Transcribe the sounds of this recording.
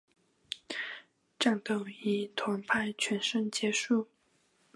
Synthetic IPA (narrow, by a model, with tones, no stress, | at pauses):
ʈ͡ʂɑ˥˧ŋt̪o˥˩ʊi˧˥t̪ʰwa˧˥ŋpʰa˥˩ɪt͡ɕʰɥɛ˧˥nʂə˥˧ŋt͡ɕjɛ˧˥ʂu˥˩